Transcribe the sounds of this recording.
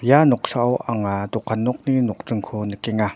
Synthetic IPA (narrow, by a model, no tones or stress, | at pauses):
janɔk̚saʔɔwʔaŋadɔkʰːanːɔk̚ninɔk̚ʈ͡ʂɯŋkʰonəkɛŋa